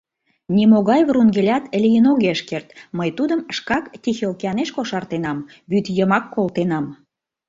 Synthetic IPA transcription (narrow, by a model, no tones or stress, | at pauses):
nʲimoɣɑjβruŋɡelʲɑt̪lʲijənoɣeʃkert̪məjt̪ud̪əmʃkɑkt̪ʲixelkeɑneʃkoʃɑrt̪enɑm | βyt̪jəmɑkːolt̪enɑm